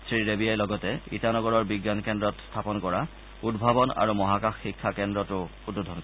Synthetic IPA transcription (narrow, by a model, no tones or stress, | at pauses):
sʰɹiɹebiajlɔɡɔtɛḭtanɔɡɔɹɔɹbiɡjankɛndɹɔtstʰapɔnkɔɹa | udbʱabɔna̰ɹumɔɦakaxːikʰːakɛndɹɔtʊududʱɔnɔ